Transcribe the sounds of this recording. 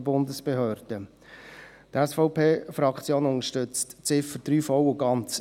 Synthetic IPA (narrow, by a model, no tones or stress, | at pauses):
bʊnd̪əsb̥eɦøːɾd̥ə | t̪ɛsfɔʊpʰeːfɾɑkʰt͡sjoːnʊŋəʃtʏt͡stt͡sɪfəɾd̥̪ɾyːfɔwəɡɑnt͡s